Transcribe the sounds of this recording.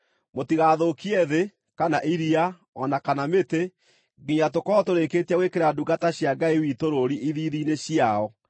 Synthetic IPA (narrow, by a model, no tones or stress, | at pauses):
motiɣaðokiɛðe | kanaʔiɾia | ɔnakanamete | ɡiɲatokɔtoɾeketaɣwekeɾaduɡataɕjaɡaiwitoɾoɾiʔiðiːðineɕjaɔ